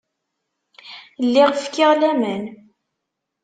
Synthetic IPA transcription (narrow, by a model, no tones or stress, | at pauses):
lːiʁfkːɪʁlæmən